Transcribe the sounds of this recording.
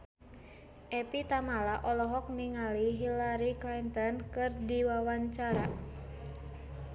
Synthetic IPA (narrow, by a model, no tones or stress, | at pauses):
ʔɛpit̪amalaʔɔlɔɦɔk̚niŋaliɦilaɾiklint̪ɔnkɨrdiwawaɲt͡ʃaɾa